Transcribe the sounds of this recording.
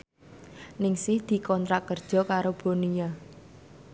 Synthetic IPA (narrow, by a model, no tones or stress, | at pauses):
nɪŋsɪhd̪̥i̤kɔnt̪ɾakərd̥ʒ̥ɔ̤kaɾob̥o̤nija